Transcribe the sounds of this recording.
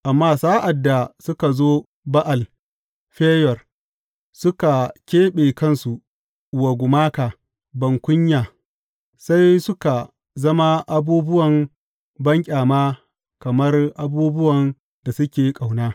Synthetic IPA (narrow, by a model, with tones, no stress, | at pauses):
ʔa˨mːaː˦saː˦ʔa˨dːa˨sʊ˦ka˨zoː˦ | ba˦ʔa˨l | ɸeː˦jɐ˨r | sʊ˦ka˨kʲeː˦ɓeː˨kɐ˦nsu˨ | wa˨ɡʷʊ˨maː˦kaː˨ | bɐ˨ŋkʷʊ˦ɲjaː˨ | sa˦jsʊ˦ka˨ | zɐ˦ma˦ʔa˨buː˦bʊ˦wɐ˨m | bɐ˦ŋkʲʼaː˨maː˦ | kɐ˨mɐ˦rʔa˦buː˦bʊ˦wɐ˨n | da˨sʊ˦kʲeː˨˦kʼa˨wnaː˦